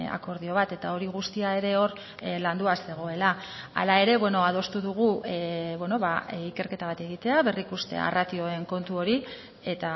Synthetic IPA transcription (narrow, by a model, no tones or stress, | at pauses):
a̰ko̞ɾðio̞β̞at̪e̞t̪ao̞ɾiɣ̞ust̪iae̞ɾe̞o̞ɾ | land̪uase̞ɣ̞o̞e̞la̰ː | lae̞ɾe̞βwe̞no̞að̞o̞st̪uðuɣ̞uβwe̞no̞βaike̞ɾke̞t̪aβ̞at̪e̞ɣ̞it̪e̞aβe̞rikust̪e̞̰a̰rat̪io̞e̞ŋko̞nt̪uo̞ɾi | e̞t̪a